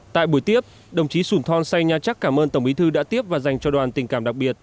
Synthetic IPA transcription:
t̪a̰ː˧˨jɓu˧˩əjt̪i˦˥əp̚ | ɗə˨˩wŋ͡mt͡ɕi˨˦su˧˩nt̪ʰɔ˧nsa˧jɲaː˨˩t͡ɕa˦˥kːaː˧˩mʔəː˧nt̪ə˧˩wŋ͡mʔi˨˦t̪ʰɨ˧ɗa̰ː˧˥t̪i˦˥əp̚vaː˨˩za˨˩jŋ̟t͡ɕɔ˧ɗwaː˨˩nt̪ï˨˩ŋ̟kaː˧˩mɗa˨˩k̚ɓi˨˩ət̚

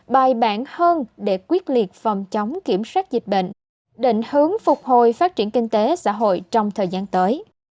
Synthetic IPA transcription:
ɓaː˨˩jɓaː˧˩nhəː˧nɗe˧˩kwi˦˥ət̚li˨˩ət̚fə˨˩ŋ͡mt͡ɕɔ˨˦wŋ͡mki˧˩əmswaː˦˥k̚zï˨˩t̚ɓə̰˧˨ŋ̟ | ɗḭ˧˨ŋ̟hɨ˨˦əŋfʊ˨˩k͡p̚ho˧˨jfaː˦˥t̚t͡ɕi˧˩ənkï˧ŋ̟t̪e˨˦sa̰ː˧˥ɦo̰˧˨jt͡ɕɔ˧wŋ͡mt̪ʰəː˨˩jzaː˧nt̪əː˨˦j

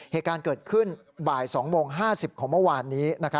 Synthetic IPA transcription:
heː˨˩t̪̚kaː˧nkɤː˨˩t̪̚kʰɯ˥˩n | baː˨˩jsɔː˩˦ŋmoː˧ŋɦaː˥˩si˨˩p̚kʰɔː˩˦ŋmɯ˥˩waː˧nːiː˦˥na˦˥kʰa˦˥

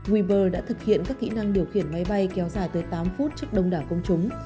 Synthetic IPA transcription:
ɣwi˧ɓəː˧˩ɗa̰ː˧˥t̪ʰɨ˨˩k̚hḭ˧˨ənkaː˦˥kːḭ˧˥na˧ŋɗi˨˩əwxi˧˩ənma˨˦jɓa˧jkɛ˨˦wzaː˧˩jt̪əː˨˦jt̪aː˨˦mfu˦˥t̚t͡ɕɨ˦˥ək̚ɗə˧wŋ͡mɗaː˧˩kə˧wŋ͡mt͡ɕʊ˨˦ŋ͡m

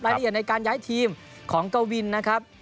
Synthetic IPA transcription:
ɾaː˧jʔ̚na˧jkaː˧njaː˦˥jt̪ʰiː˧m | kʰɔː˩˦ŋka˧wwi˧nːa˦˥kʰa˦˥p̚

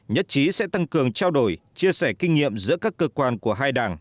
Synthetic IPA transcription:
ɲə˦˥t̚t͡ɕi˨˦sɛ̰˧˥t̪a˧ŋkɨ˨˩əŋt͡ɕaː˧wɗo˧˩jt͡ɕi˧əsɛ˧˩kï˧ŋ̟ŋḭ˧˨əmzɨ̰˧˥kaː˦˥kːəː˧kwaː˧nku˧˩əɦaː˧jɗaː˨˩ŋ

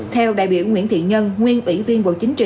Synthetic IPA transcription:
t̪ʰɛ˧wɗa̰ː˧˨jɓi˧˩əwŋwḭ˧˥ənt̪ʰḭ˧˨ɲə˧nŋwi˧ənʔwi˧˩˥vi˧ənɓo̰˧˨t͡ɕï˨˦ŋ̟t͡ɕḭ˧˨

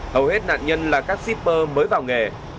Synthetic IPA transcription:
hə˨˩whe˦˥t̚na̰ː˧˨nɲə˧nlaː˨˩kaː˦˥k̚si˦˥p̚ːəː˧məː˨˦jvaː˨˩wŋe˨˩

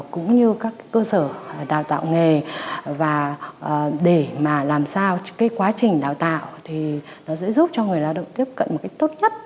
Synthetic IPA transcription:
kʊ̰˧˥ŋ͡mɲɨ˧kaː˦˥kːa˨˦kəː˧səː˧˩˨ɗaː˨˩wt̪a̰ː˧˨wŋe˨˩vaː˨˩ | ɗe˧˩maː˨˩laː˨˩msaː˧wkaː˨˦jkwaː˨˦t͡ɕï˨˩ŋ̟ɗaː˨˩wt̪a̰ː˧˨wt̪ʰi˨˩ | nɔ˨˦zɛ̰˧˥zu˦˥p̚t͡ɕɔ˧ŋɨ˨˩əjlaː˧wɗə̰˧˨wŋ͡mt̪i˦˥əp̚kə̰˧˨nmo˨˩ka˦˥jk̚t̪o˦˥t̚ɲə˦˥t̚

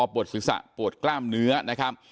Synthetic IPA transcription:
ɔː˧pu˨˩ət̪̚sɯ˨˩˦k̚sa̰˨˩ʔpu˨˩ət̪̚klaː˥˩mnɯ˦˥ɐna˦˥kʰa˦˥p̚

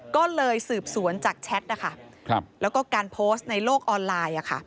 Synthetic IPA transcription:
kɔː˥˩lɤː˧jsɯː˨˩p̚su˩˦ənt͡ɕaː˨˩k̚t͡ɕʰɛ˦˥t̪̚ʔa˥˩kʰa˥˩˧lɛː˦˥wkɔː˥˩kaː˧npʰoː˦˥st̪̚na˧jloː˥˩k̚ʔɔː˧nlaː˧jʔa˨˩kʰa̰˥˩

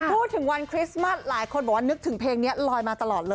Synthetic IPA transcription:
pʰuː˥˩t̪̚ʰːɯ˨˩˦ŋwa˧nkʰɾi˦˥sma˥˩s̚laː˨˩˦jkʰo˧nbɔː˨˩waː˥nɯ˦˥k̚t̪ʰɯ˩˦ŋpʰeː˧ŋni˦˥ɐlɔː˧jmaː˧t̪a˧lɔː˨˩lɤː˧j

